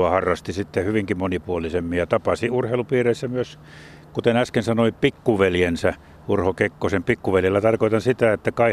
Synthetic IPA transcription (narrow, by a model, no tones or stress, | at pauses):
ɑhɑrːɑst̪isit̪ːehyʋiŋkimonipuolisemːijjɑt̪ɑpɑsiurheilupiːreisːæmyøs | kut̪enæskensɑnoipikːuʋeljensæ | urhokekːosempikːuʋeljelːæt̪ɑrkoit̪ɑnsit̪æet̪ːækɑi